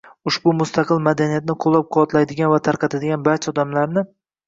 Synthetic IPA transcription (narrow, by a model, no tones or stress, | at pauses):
ʊʃbʊmʊst̪ɑqʰɨlˠmad̪anijat̪̚nɪqʰolˠːap̚qʰʊwɒt̪lajd̪ɪɡʲanvat̪ʰaɾqʰɑt̪ʰad̪ɪɡʲanbaɾt͡ʃʰaɒd̪amlaɾnɪ